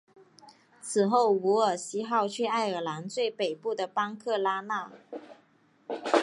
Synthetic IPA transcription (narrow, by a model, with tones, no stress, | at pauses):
t͡sʰɹ̩˨˩xo˥˩ʊu˧˥ə˞˨˩ɕi˥xɑ˥˧ʊt͡ɕʰɥɛ˥˧a˥˩ɪə˨˩la˧˥nt͡swe˥˩ɪpe˨˩ɪpu˥˩d̪ə˩pɑ˥ŋkʰɤ˥˩la˥na˥˩